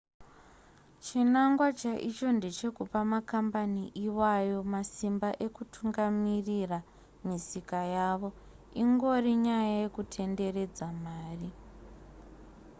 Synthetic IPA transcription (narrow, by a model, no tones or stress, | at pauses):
t͡ʃinaŋɡwat͡ʃaʔit͡ʃo̞nde̞t͡ʃe̞kupamakambaniʔiwajo̞masimbaʔe̞kutʰuŋɡamirira | misikajaːʋo̞ | iŋɡo̞riɲajaje̞kutʰe̞nde̞re̞d͡zamaːri